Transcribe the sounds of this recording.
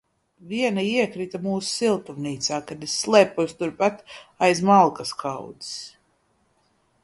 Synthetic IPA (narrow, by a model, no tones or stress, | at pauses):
vʲiɛnaiɛkɾit̪amuːsu̥silˠt̪umniːt̪saːkad̪esːlˠɛːpust̪uɾpat̪ajzmalˠkaskʰa̰wd̪i̥s